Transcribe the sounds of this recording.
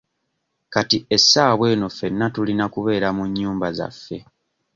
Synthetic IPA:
katie̞sːaːβwe̞ːno̞fe̞nːatulinakuβe̞ːɾamuɲːuːmbaza̰fːe̞

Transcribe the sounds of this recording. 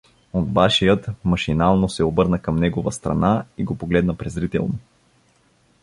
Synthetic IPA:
od̪̚baʃijət̪mɐʃinalˠnosɛobɤɾnəkəmnɛɡovəst̪ɾɐ̰naiɡopoɡlɛd̪nəpɾɛzɾit̪ɛ̰lˠno

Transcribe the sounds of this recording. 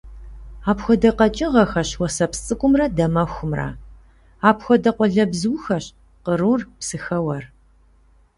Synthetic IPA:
aːpxʷɔdɐqɐt͡ʃʼɪʁɐxɐɕwɐsɐpst͡sʼɨkʷʼʊmrɐdɐmɐxʷʊmrɐ̰ | aːpxʷɔdɐqʷɔɮɐbzɨwxɐɕ | qəruːrpsɨxɐwɐr

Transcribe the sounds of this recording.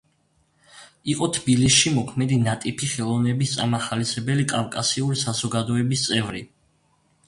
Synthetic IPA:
iqʼɔt̪ʰbilisʃimɔkʰmɛd̪inat̪ʼipʰiχɛlˠɔvnɛbist̪sʼa̰maχalisɛbɛlikʼafkʼasiuɾisazɔɡad̪ɔɛbist̪sʼɛvɾi

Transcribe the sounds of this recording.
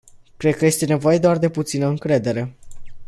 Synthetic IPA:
kɾed̪̚kəje̞st̪e̞ne̞vo̞je̞d̪oard̪e̞put̪sinəɨŋkɾe̞d̪e̞ɾe̞

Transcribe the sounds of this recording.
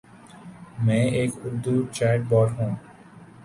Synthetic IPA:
mɛ̃ːʔeːkʊɾd̪ut͡ʃɛʈ̚bɔɾɦũː

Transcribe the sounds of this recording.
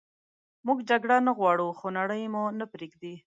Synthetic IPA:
muɡd͡ʒaɡɽanaɣwɑɽuxonaɽəjmunapɾeɡd̪i

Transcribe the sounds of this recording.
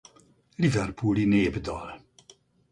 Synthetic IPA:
livɛrpʰulineːbəd̪ɔl

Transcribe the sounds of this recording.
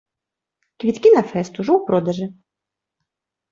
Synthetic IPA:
kvʲit̪kʲinɐfɛst̪uʐɔwpɾɔd̪ɐʐɨ

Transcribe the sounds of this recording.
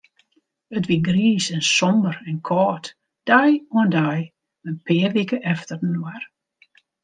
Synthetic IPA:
ətʋiɡriːsɛnsɔmbərɛnkʰɔːt | d̥ajuəndaj | ənpʰɪːərʋikəʔɛftərənwar

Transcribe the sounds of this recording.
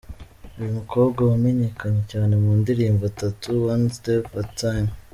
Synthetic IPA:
ujumukʰo̞ːbɡawame̞ɲe̞kaɲecaːne̞muːndiɾiːmbatatuwanstepatan

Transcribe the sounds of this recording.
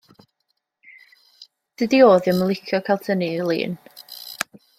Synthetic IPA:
d̥ɨdioːðɪməlˠɪkʰjɔkʰalˠtʰənilˠḭːn

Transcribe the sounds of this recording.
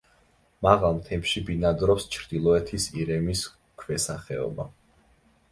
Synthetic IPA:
maʁalˠmt̪ʰɛmʃibinad̪ɾɔpst͡ʃʰɾd̪̥ilˠɔɛt̪ʰisiɾɛmis | kʰvɛsaχɛɔ̰ba

